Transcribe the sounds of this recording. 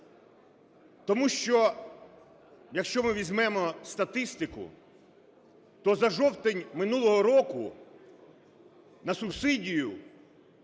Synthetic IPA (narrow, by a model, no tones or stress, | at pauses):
t̪ɔmuʃt͡ʃɔ | jɐkʃt͡ʃɔmɪʋʲizʲmɛmɔst̪ɐt̪ɪst̪ɪkʊ̰ | t̪ɔzɐʒɔwt̪enʲmɪnulˠɔɦɔɾɔkʊ | nɐsʊbsɪdʲijʊ